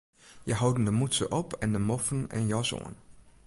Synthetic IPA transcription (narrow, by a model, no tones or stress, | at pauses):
jəɦawdən̩dəmutsəʔɔpʰɛndəmɔfən̩ɛ̰njɔso̰ːən